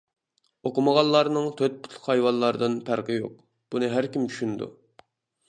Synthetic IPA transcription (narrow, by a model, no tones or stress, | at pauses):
oqʊməʁɑlˠːɑɾnɨŋt̪ʰøt̪̚pu̥t̪lˠʊ̥χhɑjwɑnlːˠɑɾɨd̪ɨnpʰæɾqəjo̰q̚ | b̥unɨɦæɾkʲimt͡ʃʰy̥ʃynd̪ṵ